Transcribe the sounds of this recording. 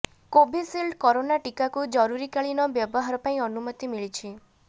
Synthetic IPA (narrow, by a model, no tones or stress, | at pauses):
kobʱisilɖkɔɾonaʈikakud͡ʒɔɾuɾikaɭinɔbjɔbɔɦaɾɔpaĩɔnumɔt̪imiɭit͡ʃʰi